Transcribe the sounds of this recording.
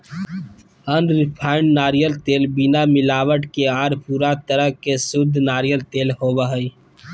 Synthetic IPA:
ənɾɪpʰaːɪɳɖnaːɾijəlt̪eːlbɪnamɪlaːwəʈkeaːɾpuːɾat̪əɾəɦkesʊd̪ʱnaːɾijəlt̪eːlɦoːbəɦəi

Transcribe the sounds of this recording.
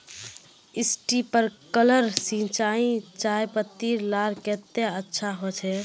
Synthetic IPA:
isʈipəɾkələɾsĩt͡ʃaĩt͡ʃajpəɾt̪iɾlaɾket̪eətːʃʰaɦot͡ʃʰɛ

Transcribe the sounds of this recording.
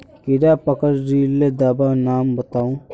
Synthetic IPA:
kɪɾaːpəkəɾːiːlːed̪aːbaːnaːmbɐt̪aːũː

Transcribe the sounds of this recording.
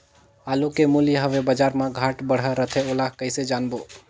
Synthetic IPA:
aːlukemuljəɦəʋebəd͡ʒaɾmãɡʱaʈbəɽ̤əɾət̪ʰeolaɦkəɪsed͡ʒanbo

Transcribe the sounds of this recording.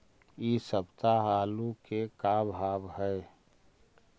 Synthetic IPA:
iːsəbt̪aɦaːlukekabʱaːbɦɛ

